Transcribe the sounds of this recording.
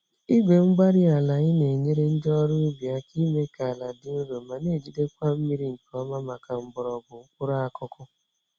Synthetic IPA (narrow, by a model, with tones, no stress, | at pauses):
i˦ɡʷe˨ŋ͡m̩˦ɡ͡ba˦ɾi˦a˨la˨ɲɪ˦ne˨ɲe˦ɾe˦n̩˦d͡ʒɔ˦ɾʊ˦i˦bi˨a˦ki˦me˦ka˨la˨dɪ˦ʊ˦no˨ma˨ne˦˨d͡ʒi˦de˦kʷa˦m̩˦mi˦ɾi˦ŋ̩˨kɔ˦ma˦ma˨ka˨m̩˦bʊ˨ɾɔ˨ɡʊ˨ŋ̩˦kʷʊ˦ɾa˦a˨kʊ˦kʰʊ˦